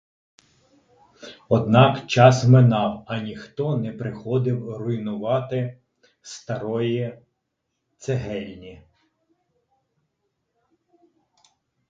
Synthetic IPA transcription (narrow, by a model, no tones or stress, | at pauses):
ɔd̪nɑkt͡ʃɑsmenɑwɐnʲixt̪ɔnɛpɾɪxɔd̪ɪwrʊjnʊʋɑt̪ɪ | st̪ɐɾɔji | t̪seɦɛlʲnʲi